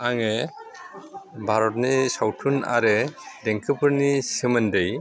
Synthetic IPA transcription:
aŋe | bʱaɾɔt̚nisawtʰuna̰ɾedɛŋkʰɯpʰɯɾnisɯməndej

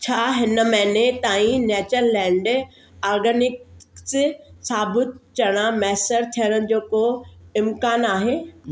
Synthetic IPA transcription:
t͡ɕʰaːɦɪnəmɐ̃ɦnet̪aːĩnɛːt͡ɕəɾlɛ̃ːɳɖ | aːɾɡənɪkssaːbɪt̪t͡ɕɐɽ̃amɛːsəɾt̪ʰijəɽ̃əñɪ̆d͡ʑoːkoɪ̃mkaːnaːɦeː

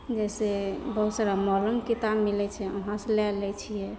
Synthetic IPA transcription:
d͡ʒɛsebəɦut̪saɾamɔləmkit̪abmilɛt͡ʃʰɛɔɦãselɛlɛt͡ʃʰijɛ

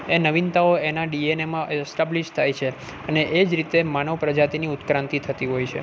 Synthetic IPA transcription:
enəʋint̪aoenaɖienemãesʈabliʃt̪ʰajt͡ʃʰe | əneʔed͡ʒɾit̪emanəʋpɾəd͡ʒat̪iniʊt̪kɾãnt̪it̪ʰət̪iɦojt͡ʃʰḛ

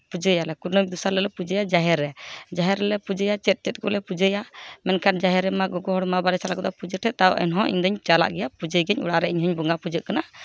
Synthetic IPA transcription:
pud͡ʒəjalɛkuɾnəid̪usaɾləlɛpud͡ʒəjad͡ʒaɦɛɾːɛd͡ʒaɦɛɾːɛlɛpud͡ʒəjat͡ʃɛt̪̚t͡ʃɛt̪̚kɔ̰ʔlɛpud͡ʒəjamɛnkʰan̚d͡ʒaɦɛɾɛmaɡɔɡɔɦɔɽmabaɾɛt͡ʃalaʔkɔd̪ɔpud͡ʒəʈʰɛt̪̚t̪aɔ̰ʔɛ̰nɦɔ̃ʔḭɲd̪ɔɲt͡ʃala̰ʔɡɛjapud͡ʒəɡɛɲṵɽaɾɛʔiɲɦɔɲbɔŋɡapud͡ʒəʔkana

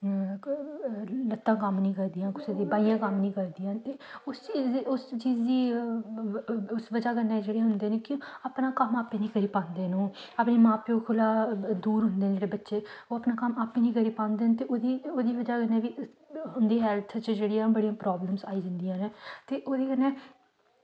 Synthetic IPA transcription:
lət̪ːãːkəmnĩːkəɾd̪ijãːkʊseːd̪eːbaːijãːkəmnĩːkəɾd̪ijãːt̪eːʊst͡ʃːʊst͡ʃiːzd̪iː | ʊsʋəd͡ʒaːkənːeːd͡ʒeːɽeːɦʊnd̪eːneːkĩaːpnaːkəmaːpːẽːnĩːɡəɾiːpãːnd̪eːnũːapneːmãːpeokʰʊlaːd̪uːɾɦʊ̃nd̪eːnːd͡ʒeːɽeːbətːʃeːoːəpnaːkəmaːpẽːnĩːɡəɾiːpãːnd̪eːnt̪eːoːd̪iːoːd̪iːʋəd͡ʒaːkənːɛ̃ːʋiː | ɦʊnd̪iːɦɛːlt̪ʰt͡ʃd͡ʒeːɽiːãːbəɽijãːpɾaːbləmsaːiːd͡ʒənd̪ijãːneːt̪eːʔoːd̪iːkənɛ̃ː

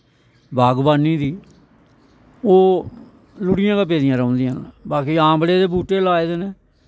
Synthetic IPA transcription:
bʱaːɡbaːniːd̪iː | oː | lʊɽɪjãːkaːp̬eːd̪ɪjãːɾə̃ːnd̪ɪjãːbaːkiːãːbleːd̪eːbuːʈːeːlaːed̪eːneː

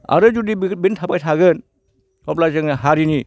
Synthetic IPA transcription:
a̰ɾɯd͡ʒudibintʰapajtʰaɡɯn | hɔp̬̚lazɯŋnaɦaɾini

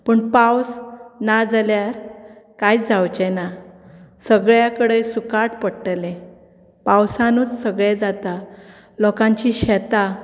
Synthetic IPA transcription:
pəɳpawsnad͡zljaɾkajd͡zawt͡ɕɛna | səɡɭjakəɽejsukaʈpəɽʈle | pawsãnuːt͡ssəɡɭed͡zat̪a | lɔkãɲt͡ɕiɕɛt̪a

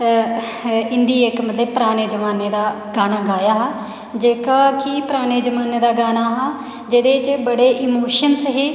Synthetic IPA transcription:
ɪnd̪iːekmət̪ləbpəɾaːɽ̃eːd͡ʒəʋaːneːd̪aː | ɡaːnaːɡaːjaːɦaː | d͡ʒeːkaːkipəɾaːñeːd͡ʒəmaːneːd̪aːɡaːnaːɦaː | d͡ʒeːd̪eːt͡ʃbəɽeːʔɪmoːʃənsɦeː

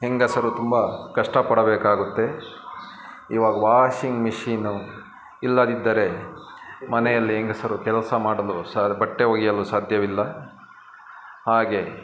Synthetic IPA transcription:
ɦeŋɡɐsɐɾut̪umbɐkɐʂʈɐpɐɽɐbeːkaːɡut̪ːe̞ | iːʋaːɡɐʋaːʂiŋɡmiʂiːnu | ilːɐd̪id̪ːɐɾe̞ | mɐnɛjɐlːiɦeŋɡɐsɐɾukɛlɐsɐmaːɽɐlusaːbɐʈːeɦoːɡijɐlusaːd̪ʱjɐʋilːɐ | haːɡe̞

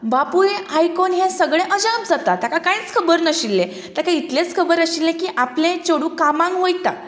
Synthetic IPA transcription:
bapujeajkonɦjãsəɡɭẽʔəd͡ʑãb̚d͡zat̪at̪jakakãĩt͡skʰəbəɾnəɕilːẽ | t̪akãit̪let͡skʰəbəɾəɕilːẽkiːʔaplẽt͡ɕoɽũkamãŋɡɦojt̪a̰

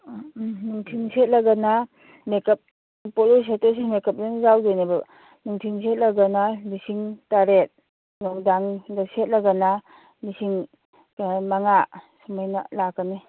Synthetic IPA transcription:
nuŋtʰiŋset̚laɡana | mekɐp̚ | polɔs̬etɔs̬imekəp̚denzawdojneba | nuŋtʰiŋset̚laɡanalisiŋtaɾet̚ | nɔwdaŋdaset̚laɡana | misiŋ | maŋasumajna̰lakani

